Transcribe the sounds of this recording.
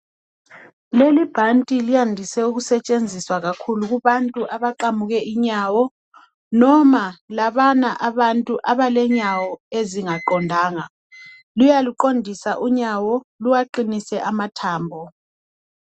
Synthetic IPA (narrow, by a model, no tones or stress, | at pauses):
lelib̥ʱantʼilijandʱisɛuɣusɛt͡ʃʼend͡zʱiswaɣakʰuluɣuβantʼuʔaβaǃamuɣɛʔiɲawɔ | nɔmalaβanaʔaβantʼuʔaβalɛɲawɔeziŋaǃɔndʱaːŋa | lujaluǃondʱisaʔuɲawɔluwaǃinisɛʔamatʰaːmbʱɔ